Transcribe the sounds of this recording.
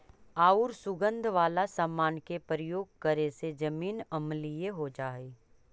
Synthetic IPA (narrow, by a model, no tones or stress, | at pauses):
aːʊɾsʊɡə̃nd̪ʱʋaːlasəmːaːnkepɾəjoːɡ̚kəɾesed͡ʒɐmiːnɐmlɪjeɦod͡ʒaːeː